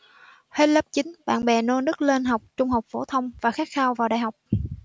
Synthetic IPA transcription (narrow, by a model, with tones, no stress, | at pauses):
he˦˥t̚lə˦˥p̚t͡ɕï˨˦ŋ̟ɓa̰ː˧˨nɓɛ̰˧˨˩no˧nɨ˦˥k̚le˧nɦa˨˩wk͡p̚t͡ɕʊ˧ŋ͡mhɦa˨˩wk͡p̚fo˧˩t̪ʰə˧wŋ͡mvaː˨˩xaː˦˥k̚xaː˧wvaː˨˩wɗa̰ː˧˨jɦa˨˩wk͡p̚